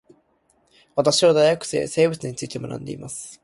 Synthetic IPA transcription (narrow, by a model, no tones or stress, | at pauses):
wat̪aɕiad̪ajakːɯ̥sḛːseːbɯsɨɲ̟ːit̪ɨːt̪ːemnã̰nd̪eimas